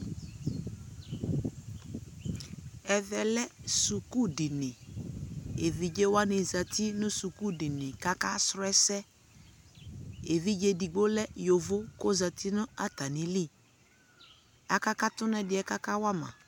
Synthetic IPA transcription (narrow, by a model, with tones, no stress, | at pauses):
ɛ˨ðɛ˨lɛ˦su˨ku˦di˨nɪ˨ | e˨ði˨d͡ʒe˦wa˦nɪ˨za˨tʰi˦nʊ̃˦su˨ku˦˨di˨nɪ̃˨ka˦ka˦sɾʊ˦ɛ˦sɛ˦ | e˨ði˦d͡ʒe˦di˨ɡ͡bo˦lɛ˦jo˨vo˦ko˦za˨ti˦nʊ̃˦a˦ta˨nĩ˦li˦ | a˨ka˦ka˦tʊ˦nɛ˦dɪ˨˦ɛ˨ka˦ka˦wa˦mã̰˨